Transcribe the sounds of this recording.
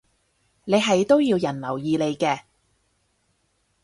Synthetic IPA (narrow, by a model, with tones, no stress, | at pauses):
ne˨˧jɦɐ˨jt̪o˥wjiː˧wjɐ˨˩nlɐ˨˩wjiː˨˧le˨˧jkɛː˧